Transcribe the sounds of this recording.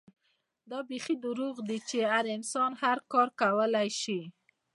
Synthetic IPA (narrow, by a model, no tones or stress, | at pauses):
d̪ɑbexid̪ʊɾuɣd̪it͡ʃeaɾɪnsɑnhaɾkɑɾkawəlajʃi